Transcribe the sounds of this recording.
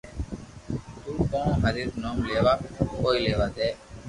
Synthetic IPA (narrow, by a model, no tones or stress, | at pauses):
t̪uːkõːɦəɾit̪noːmleːʋaːkoːiːleːʋaːd̪eː